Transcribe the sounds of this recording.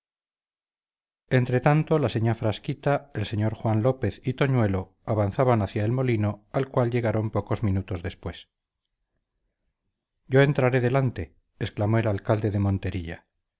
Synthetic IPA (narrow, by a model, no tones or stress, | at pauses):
e̞nt̪ɾe̞t̪ant̪o̞laseɲafɾaskit̪aelse̞ɲo̞ɾxwanlo̞pe̞θit̪o̞ɲwe̞lo̞ | aβanθaβanaθjaelmo̞lino̞alkwalʎe̞ɣaɾo̞mpo̞ko̞zmĩnut̪o̞zðe̞spwe̞s | ɟ͡ʝo̞e̞nt̪ɾaɾe̞ðe̞lant̪e̞ː | sklamo̞e̞lalkald̪e̞ðe̞mõ̞nt̪e̞ɾiʎa